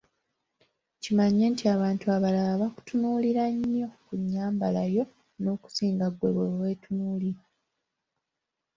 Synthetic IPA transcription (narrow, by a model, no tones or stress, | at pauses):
cimaɲːe̞ːntiaβaːntuaβalaβaku̥tunuːliɾaɲːo̞kuɲːaːmbalajo̞ | no̞ːku̥siːŋɡaɡweβewe̞ːtunuːliɾa